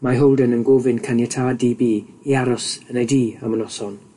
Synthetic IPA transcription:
maɦɔwlˠdənənɡoːvɪnkʰanjɛtʰaːdiːbiː | iaɾɔsənejdiːamənɔsɔn

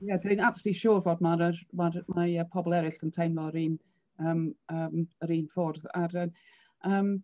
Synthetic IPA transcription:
jɛdəɨnab̥stiʃuːrvoːdmaɾəmarmaəpʰɔbɔlˠɛɾɪɬəntʰejnlˠɔəɾiːn | əːməːməɾiːnfʊrðaɾə | əːm

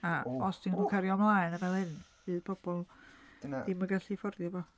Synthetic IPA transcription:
aɔsd̥inbʊkʰɛɾjɔmlˠaːɨnənvɛlˠhɨnvɨðb̥ʰɔb̥ɔlˠ | iməɡaɬifɔrðjavɔ

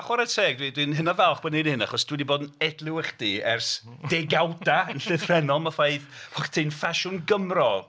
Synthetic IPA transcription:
aχwaɾətʰeːɡ̚dwidwinɦɨnavɛlˠχb̥ɔnenhɪna̰χɔsd̥widiboːdnɛdlˠɪwɛχd̥iɛrsd̥ɛɡawdaənɬɪvrɛnɔmafajðɔχtʰinfaʃʊnɡəmrɔ

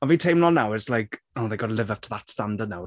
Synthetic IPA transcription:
ɔviːtʰejmnɔlˠnawɪslajk | oːðejɡɔdəlˠɪvəv̚tʰəðatstandədnaw

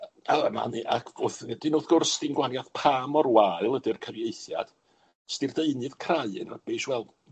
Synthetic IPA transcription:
ama̰niʔa̰kʰv̥oːθnd̥inoːðɡʊrsd̥inɡwanjaθpʰaːmɔrwaɨlˠədɪrkʰəɾjejθja̰d̥ | stirdeɨnɨðkʰraɨɨ̰na̰rb̥eːʃwɛlˠd̥

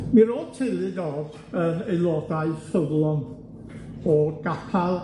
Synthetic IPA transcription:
miɾoːdtʰelˠɨdɔð | əejlˠɔdaɨfəvlˠɔn | ɔɡ̥apʰalˠ

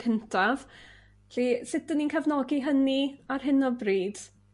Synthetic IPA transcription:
kʰəntʰav | ɬisɪtənːinkʰavnɔɡiɦəniarɦɪnɔbriːd̥

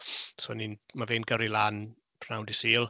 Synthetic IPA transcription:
sɔninmaveːnɡəɾilˠaːn | pʰr̥awndɪsiːlˠ

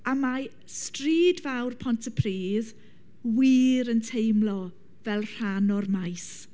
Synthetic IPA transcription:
ama | striːdvawrpʰɔntʰəpʰriːð | wiːɾəntʰejmlɔ | vɛlˠr̥anɔrmajs

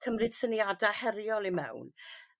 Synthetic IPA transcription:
kʰəmrɨd̥səniadahɛrjɔlˠimɛ̰wn

